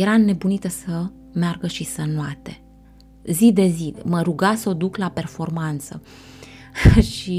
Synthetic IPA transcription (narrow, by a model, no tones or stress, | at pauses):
jeɾane̞bunit̪əsə | mearɡəʃisənuat̪e̞ | zid̪e̞ziməɾuɡasəod̪uklape̞rfo̞rmant̪sə̰ | ʃi